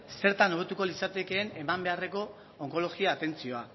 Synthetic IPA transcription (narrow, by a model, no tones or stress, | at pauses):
se̞ɾt̪ano̞e̞t̪ukolisat̪e̞ke̞ːne̞mambe̞are̞ko̞ | oŋko̞lo̞ɣiaːt̪e̞nt͡sio̞a